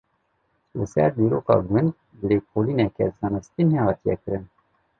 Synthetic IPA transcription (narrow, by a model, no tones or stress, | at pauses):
lɨsɛɾd̪iːɾoːkɑ̰ːɡʊnd̪ | bəɾeːkʰoːliːnɛkɛ̰zɑːnɨst̪inhehɑːt̪ijɛ̰kɨɾɨn